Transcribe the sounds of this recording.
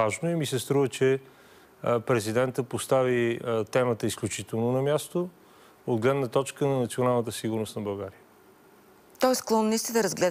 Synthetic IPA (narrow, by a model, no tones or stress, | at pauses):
aʒnoɛmisɛst̪ɾuvət͡ʃɛ | pɾɛzid̪ɛnt̪əpost̪avit̪ɛmət̪əisklʲut͡ʃit̪ɛlˠnonɐmʲjast̪o | od̪ɡlɛd̪nət̪ɔt͡ʃkənɐnɐt̪sionalˠnət̪əsiɡʊɾnost̪nɐbɐlˠɡaɾiə | t̪ɔɛsklˠɔnnist̪id̪ɐɾəzɡlɛ